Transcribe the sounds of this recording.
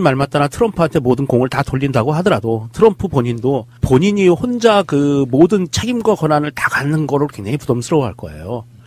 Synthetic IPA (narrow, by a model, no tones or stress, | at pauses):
nmaɭmat͈̚anatʰɯɾʌmpʰɯɦantʰe̞modɯnkoŋɯɭtatoʎːindaɡoɦadʌɾadotʰɯɾʌmpʰɯpoɲindo | poɲiɲihond͡ʑakɯmodɯnt͡ɕʰe̞ɡimɡwakʌnanɯɭtaɡanɯnɡʌɾɯokʰenepudʌmsʰɯɾʌwɦaɭk͈ʌ̰e̞̰jo